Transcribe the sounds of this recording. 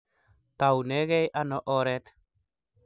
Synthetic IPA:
t̪a˨wnɛ˨˦ɣɛ˦jʔa˦nɔ˦ʔɔ˦ɾɛ˦t̪

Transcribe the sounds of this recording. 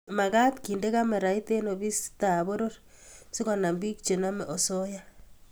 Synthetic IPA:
ma˨ka˦tki˨nde˦ka˦me˨ɾa˨i˦te˦no˨βi˦sta˨βo˦ɾo˦ɾ | si˦kɔ˨na˨mbi˦k̚t͡ʃe˨na˦me˨ʔo˨so˦ja˦

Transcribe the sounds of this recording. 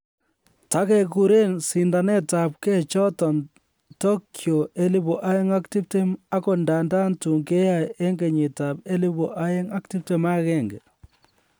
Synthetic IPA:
ta˨˦ke˦ku˨ɾe˦nsi˨nda˨nɛ˦ta˨p̚kɛ˦t͡ʃɔ˦tɔ˨n | to˦kʰjo˨e˦li˦bo˨ʔa˦je˦ŋa˦kti˦p̚te˦ma˦ko˨nda˨nda˦ntu˨ŋke˦ja˦je˦ŋɡe˨ɲi˨ta˨be˦li˦bo˨ʔa˦je˦ŋa˦k̚ti˦p̚te˦ma˦kɛ˦˨ŋɡe˨

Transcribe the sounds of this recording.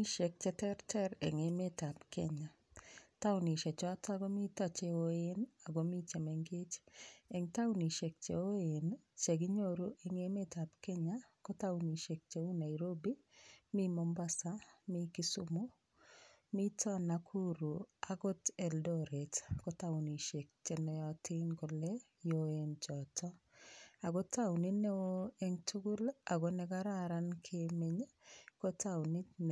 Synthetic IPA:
i˦ʃe˨k̚t͡ʃɛ˨˦tɛ˦ɾtɛ˦ɾḛ˨ŋe˨me˦ta˨pke˦ɲa˨ | ta˦wni˨ʃɛ˨t͡ʃɔ˦a˦ta˦ɡɔ˦mi˦ta˦t͡ʃe˦o˦e˦na˨ɡo˨mi˦t͡ʃe˨mɛ˨ŋɡɪ˦t͡ʃe˨ŋta˦wni˨ʃe˨k̚t͡ʃḛ˨o˦e˨n | t͡ʃe˨ɡi˦ɲo˦ɾu˦ʔe˨ŋe˨˦me˦ta˨bke˦ɲa˦kɔ˦ta˦ʊni˨ʃe˨k̚t͡ʃe˨u˦na˨iɾo˦bi˦ | mi˦mɔ˨mba˦sa˦mi˦ki˦su˦mu˦ | mi˦tʰɔ˦na˨kʰu˦ɾu˨aɡɔ˦te˨ldɔ˦ɾe˨tko˦tau˨ni˨ʃe˨k̚t͡ʃe˨nɛ˨ɔ˦tʰi˦nɡɔ˨lɛ˦ | joent͡ʃɔ˨tɔ˦a˨ɡo˦ta˦u˨ni˦ne˦wo˦e˦ŋtʰu˦ɡʊ˦la˨ɡo˨˦nɛ˦ɡa˦ɾa˦ɾa˦nkʰe˨me˦ɲko˦tʰau˨ni˦tn˨

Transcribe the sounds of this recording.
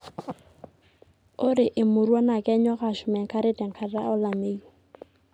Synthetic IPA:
ʊ˦ɾɪ˨ʔɪ˨mʊ˨ɾwa˦na˨kʼɛ˦ɲɔ˦ɣa˨ʃʊ˨mɛ˨ŋ̩˨kʰa˦ɾɪ˦tɛ˨ŋ̩kʰa˨ɾra˦ʊ˦la˨meː˦iɔ˨

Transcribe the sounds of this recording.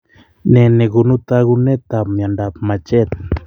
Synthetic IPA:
ne˨ne˨ɣu˨nu˦t̪a˦ɣu˦ne˦t̪a˨mja˨nda˨pma˨t͡ʃe˦t̪̚

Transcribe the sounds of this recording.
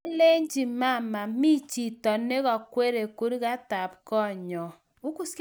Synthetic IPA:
le˦ɲd͡ʒi˨ma˦˨ma˨mi˦t͡ʃi˨tɔ˨ne˦ɣɔ˨kwe˦ɾe˨ku˦ɾi˦ɣa˦ta˨p̚kɔ˦˨ɲɔ˨ | u˦ku˦sk

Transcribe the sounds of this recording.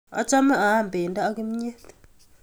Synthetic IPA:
a̰˨˦t͡ʃa˦mɛ˦ʔa˨˦˨m̩˨beː˨n̩˦da˦ʔa˦ki˦m̩˦ɲe˦t

